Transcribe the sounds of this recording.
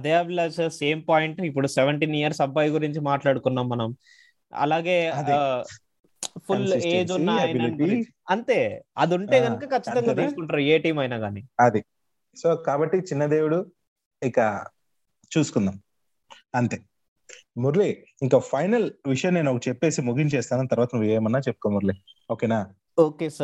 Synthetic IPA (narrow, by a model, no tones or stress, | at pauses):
ɐd̪eɐblɐsse̞ːmpaːjiɳʈipːuɽusɛʋɐɳʈiːnijɐɾsɐbɐːjɡuɾiɲt͡ʃimaːʈlaːɽukunːaːmːɐnɐm | ɐ̰laːɡe̞ːɐd̪i | pʰuleːd͡ʒunːaːjln | ɐnt̪e̞ːɐd̪uɳʈe̞ːɡɐnukɐkɐt͡ʃːɐ̥t̪ɐŋɡ̪at̪iːsukuɳʈaːɾaɐeːʈiːmɐjnaːɡaːniɐd̪i | so̞ːkaːbɐʈːit͡ʃinːɐd̪e̞ːwuɽu | ika | t͡ʃuːsu̥kund̪am | ɐnt̪eː | muɾli | iŋkapʰɐjnɐlʋiʂɐjɐne̞ːnuokt͡ʃɛpːe̞ːsimuɡiɲt͡ʃɛːst̪aːnɐnːt̪ɐɾʋaːt̪ɐnuʋid͡ʒɐjɐmɐnːaːt͡ʃepːukonmuɾlioːkeːnaː | oːkeːsɐ